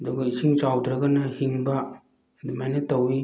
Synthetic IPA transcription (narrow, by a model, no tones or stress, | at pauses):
dɔɡaisʰiŋt͡ʃawdɾaɡanahiŋba | dimajnatɔwi